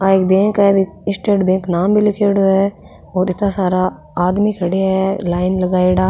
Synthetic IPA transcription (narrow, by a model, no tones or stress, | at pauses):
aeːk̚bɛ̃ːŋkɦɛbʱiɪsʈeːɖbɛ̃ːŋknaːmbʱilɪkeːɽoɦɛ | ɔːɾɪt̪nasaːɾa | aːd̪mikʰɐɽeɦɛlaːɪnlɐɡaːeɽaː